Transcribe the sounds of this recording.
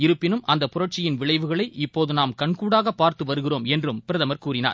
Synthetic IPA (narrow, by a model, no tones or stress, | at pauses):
ɪɾɯpːɪnɯmʔɐnd̪ɐpʊrɐʈ̚t͡ʃɪjɪnʋɪɭɐɪʋɯɣɐɭɐɪʔɪpːoːðɯnaːmkɐɳkuːɽaːɣɐpːaːɾt̪ɯʋɐɾɯɣɪroːmɛndrɯmpɪɾɐðɐmɐɾkuːɾɪna̰ːɾ